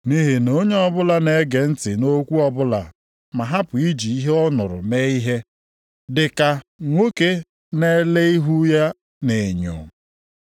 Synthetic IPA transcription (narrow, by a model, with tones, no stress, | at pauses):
ni˦ɦɪ˨no˦ɲe˦ɔ˦bʊ˦la˨ne˦ɡe˨n̩˦tɪ˨no˦kʷu˦ɔ˨bʊ˦la̰˨ | ma˨ɦa˦pʊ˨i˦d͡ʒi˨i˦ɦe˦ɔ˦nʊ˨ɾʊ̰˨me˦i˦ɦe˦ | dɪ˨ka˨ŋʷo˦ke˦ | ne˦le˦i˦ɦu˦ja˦ | ne˨ɲo̰˨